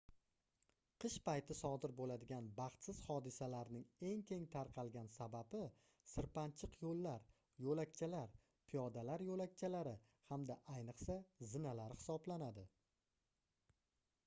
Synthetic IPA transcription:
qʰɨʃpajt̪ʰɪsɒd̪ɪɾbolad̪ɪɡʲanbɑχt̪sɪz̥hɒd̪ɪsalaɾnɪŋe̞ŋkʲʰe̞ŋt̪ʰaɾqʰɑlˠɡʲansababɪ | sɪɾpant͡ʃʰɪqʰjolːaɾ | jolakʲt͡ʃʰalaɾ | pʰijɒd̪alaɾjolak̚ʲt͡ʃʰalaɾɪ | hamd̪aʔajnɨqsazɪnalaɾɪhɪ̥sɒblanad̪ɪ

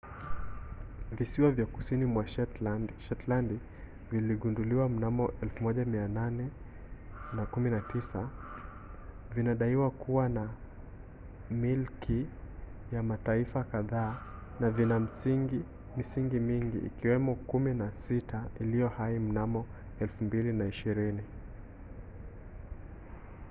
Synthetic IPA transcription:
visiwavjakusinimwaʃʃɛtland | viliɠunduliwam̩namɔʔɛlfumɔʄamiananɛ | nakuminatisa | vinaɗaiwakuwana | milkʰijamataifakaðaː | navinam̩ | misiŋɡimiŋɡḭːkiwɛmɔkuminasitʰailijɔhaim̩namɔ | ɛlfumbilinaiʃiɾini

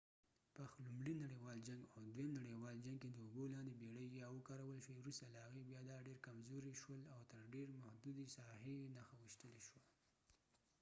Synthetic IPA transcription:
pəxlumɽinaɽewɑld͡ʒaŋɡawd̪wemnaɽewɑld͡ʒaŋɡ̚ked̪əʊbolɑnd̪ebeɽəjːɑwəkɑɾawəlʃwewɾust̪alahaɣebjɑd̪ɑɖeɾkamzoɾiʃwəlawt̪əɾɖeɾmahd̪ud̪isɑhenaxawəʃt̪əleʃwa

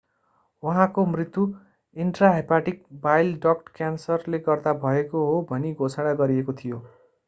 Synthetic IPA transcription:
wʌɦãkomrit̪ːu | iɳʈraɦepaʈik̚bajlɖʌkʈkjansʌrleɡʌrd̪abʱʌekoɦobʱʌniɡʱot͡sʰaɽ̃aɡʌɾiekot̪ʰijo

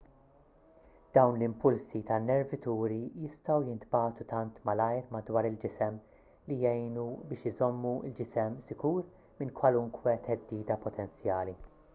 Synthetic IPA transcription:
d̪̥ɐwnlɪmpʊlsit̪ɐnːɛɾvɪt̪uːɾijɪst̪ɐwjɪnt̪bɐːt̪ut̪ɐnt̪mɐlɐjɾmɐd̪wɐːɾɪld͡ʒɪsɛm | lijɛjnubɪːʃɪzɔmːuɪ̰ld͡ʒɪsɛmsɪkuːɾ | mɪnkwɐlʊŋkʰwɛt̪ʰɛd̪ːiːd̪ɐpɔt̪ʰɛnt͡sjɐːli

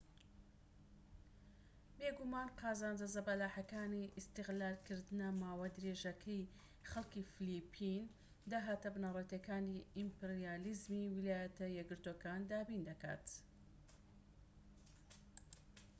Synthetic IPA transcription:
beːɡumaːnqɑːzaːnd͡ʒɐzɐbɐlaːħɐkaːniʔist̪ɨɣlaːɾkʰɨɾd̪ɨnɐmaːwad̪ɨɾeːʒɐkʰɐj | χɐlkiːfilipʰːin | d̪aːɦaːt̪ɐbɨnarˤet̪ekaːniimpeɾijaːlizmiwilaːjɐt̪ɐjɛɡɨɾt̪okaːnd̪aːbind̪ɐka̰ːt̪

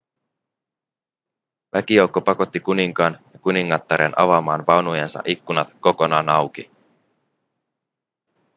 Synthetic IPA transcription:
ʋʔæk̟ijo̞wkːo̞pɑko̞t̪ːikuniŋkɑːnjɑkuniŋːɑt̪ːɑɾenʔɑ̰ʋɑmɑːnʋɑnujensɑ̰ʔikːunɑt̪ko̞ko̞nɑːnɑwki

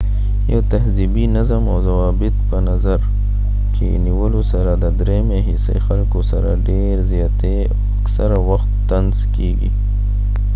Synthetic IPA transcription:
jot̪ɐɦzibinɐzəmoːzɐwaːbɪt̪̚bɐnɐzɐɾ | kḭniwɐlusɐɾad̪ɐd̪ɾemẽɦisḛxɐlkosɐɾa̰ɖeːɾzjaːt̪e | ɐksɐɾawɐxt̪ːɐnzkiːɡḭː

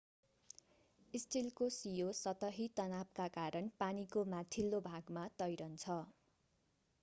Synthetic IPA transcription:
isʈilkosijosʌt̪ʌɦit̪ʌnab̚kakaɾʌnpanikomat̪ʰilːobʱaɡmat̪ʌjɾʌnt͡sʰʌ

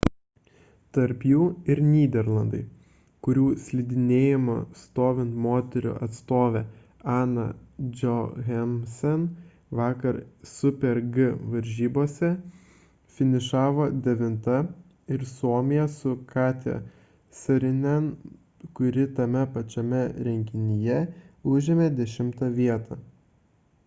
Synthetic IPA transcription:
t̪ɐɾpjuːɪɾnʲiːd̪ʲɛɾlˠɐnd̪ɐɪ | kʊɾʲuːsʲlʲid̪ʲɪnʲeːjɪmʊ̰st̪oːʋʲɪnt̪moːt̪ʲɛɾʲʊ̰ʔɐt̪st̪oːʋʲe | ɑːnɐ̰d͡ʒʲoɣʲɛmʲsʲɛn | ʋɑːkɐɾsʊpʲɛɾɡɨʋɐɾʲʒʲiːboːsʲɛ | fʲɪnʲɪʃɑːʋoːd̪ʲɛʋʲɪnt̪ɐ | ɪɾsuɔmʲɪjɛsʊkɑːt̪ʲɛ̰ | sɐɾʲɪnʲɛn | kʊɾʲɪt̪ɐmʲɛpɐt͡ʃʲɛmʲɛɾʲɛŋʲkʲɪnʲɪjɛʊʒʲɪmʲeːd̪ʲɛʃʲɪmt̪ɐʋʲiɛt̪ʰɐ

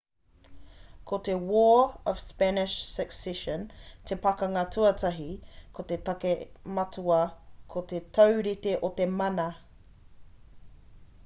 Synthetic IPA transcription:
kʰot̪ewɔːəv̥spænɪʃsɛksɛʃəntʰepɐkɐŋɐtʰuɐtʰɐɦikʰot̪etɐkemɐtʰuɐkʰot̪etʰɐwɾit̪eʔot̪emɐnɐ

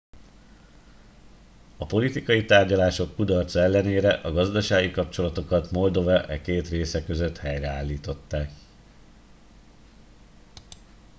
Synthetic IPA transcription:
ɒpo̞lit̪ikɒjit̪aːrɟɒlaːʃo̞kːud̪ɒrt̪sɛlːɛneːɾɛʔɒɡɒzd̪ɒʃaːɡikɒp̚t͡ʃo̞lɒt̪o̞kɒt̪mo̞ld̪o̞vɛʔɛkeːt̪reːsɛkø̞zø̞t̪hɛjrɛaːlːiːt̪o̞t̪ːaːk

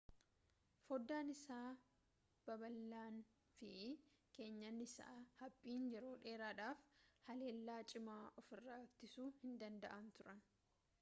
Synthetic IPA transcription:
fɔd̪ːaːnɪsaː | b̥ɐbɐlːaːn | fɪke̞ːɲːɐnːɪsa̰ːhɐpʼːiːnd͡ʒɛɾoːᶑe̞ːɾaːᶑaːfhɐle̞ːlːaːt͡ʃʼɪmaːʔɔfɪrːaːt̪ːɪsuːhɪnd̪ɐnd̪ɐ̰ʔɐnt̪ʊɾɐn

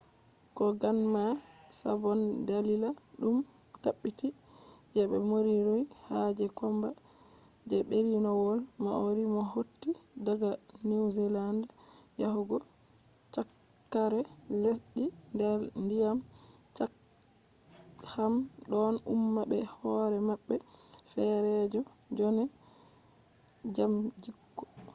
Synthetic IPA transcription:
kɔɡanma | sa̰bɔndalila | ɗum | taɓːiti | d͡ʒɛbɛ̰moɾiɾojhad͡ʒɛkɔmba | d͡ʒɛbeɾinɔwɔlmaoɾimɔɦotːi | daɡa | niwzɛland | jahuɡɔ | t͡ʃakː | aɾɛ | lesɗi | ndɛɾndijam | t͡ʃa | ham | ɗɔnṵmːabɛhɔɾɛmaɓːɛ | fɛɾɛd͡ʒɔ | d͡ʒɔnɛ | d͡ʒamd͡ʒikːɔ̥

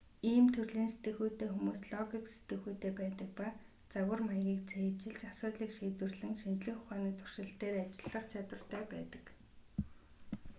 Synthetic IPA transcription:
iːmt̪ʰɵrɮiːnset̪ɡɘ̆xuːt̪eːxumuːsɮɔɣikse̥t̪ɡɘ̆xuːt̪eːpæːt̪ə̆k̚pa | t͡sawə̆rmajɣʲiːk̚t͡sʰæt͡ɕɪ̆ɮt͡ɕasʊːt̪ɮiːkʃiːt̪wɘ̆rɮɘ̆ŋʃint͡ɕɮɘ̆kχʊχaːniːkt̪ʰʊ̥r̥ʃɪ̆ɬt̪eːɾat͡ɕɪ̆ɮə̆χt͡ɕʰat̪wə̆rt̪ʰœːpæːt̪ə̥̆k

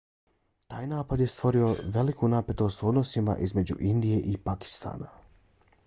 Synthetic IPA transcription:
t̪aːjnaːpad̪je̞st̪ʋo̞ɾio̞ʋe̞likunape̞t̪o̞st̪o̞d̪no̞sima̰ʔizme̞d͡ʑṵʔind̪ije̞ʔipaki̥st̪a̰ːna̰

